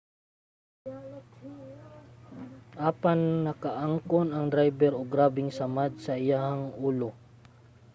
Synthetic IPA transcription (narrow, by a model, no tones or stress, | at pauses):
ʔaːpannɐkaʔaŋkonɐŋd̪ɾajbɛɾoɡɾaːbɪŋsɐmad̪̚sɐʔɪjahaŋʔuːlo